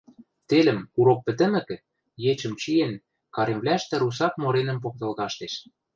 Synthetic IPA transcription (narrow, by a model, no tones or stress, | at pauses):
t̪elə̆muɾok̚pɘ̆t̪ə̆mɘ̆kɘ̆ | jet͡ɕə̆mt͡ɕijen | kɑɾemβlæʃt̪ĕɾus̬ɑkmoɾenə̆mp̬ok̚t̪ɤ̆lɣɑʃt̪eʃ